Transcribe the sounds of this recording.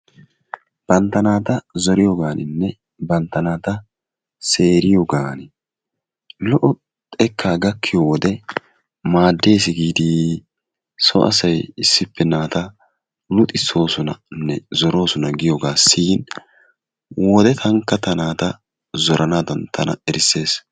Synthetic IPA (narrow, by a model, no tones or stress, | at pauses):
b̥ɐnt̪ːɐnaːt̪ɐzɔɾɪjɔɡaːnɪnːɛ | bɐnt̪ːɐnaːt̪ɐ | se̞ːɾɪjɔɡaːnɪ | lɔʔɔ | t̪ʼɛkʰːaːɡɐkːɪjowɔd̪ɛ | maːd̪ːe̞ːsɪɡiːd̪iː | sɔ̰ʔɐ̰sɐjɪsːɪpːɛnaːt̪ɐ | lʊt̪ʼɪsːo̞ːsɔnɐnːɛzɔɾo̞ːsʊnɐɡɪjɔɡaːsːiːn | wɔːd̪ɛt̪ʰɐŋkːɐt̪ɐnaːt̪ɐ | zɔɾʔɐnaːd̪ɐnt̪ʰɐnɐ̰ɛɾɪsːe̞ːs